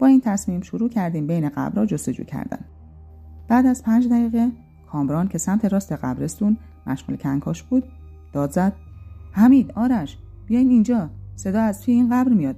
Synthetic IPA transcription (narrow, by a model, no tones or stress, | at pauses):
b̥ɒːiːnt̪ʰæsmiːmʃoɾuːcʰæɾd̪iːmbe̞jneɣæ̰bɾɒːd͡ʒost̪o̞d͡ʒṵːcʰæ̰ɾd̪æ̰n | b̥æːd̪æzpʰænd͡ʒd̪æɣiːɣe | kʰɒːmbɾɒːncʰe̞sæmt̪ʰe̞ɾɒːst̪e̞ɢæ̰bɾe̞st̪un | mʔæʃmuːlecʰæŋkʰɒːʃb̥uːd̪̥ | d̪̥ɒːd̪zæd̪̥̚hæmiːd̪ɒːɾæʃ | b̥ijɒːjimind͡ʒɒːse̞d̪ɒːæzt̪ʰujeiːnɢæbɾmijɒːd̪̚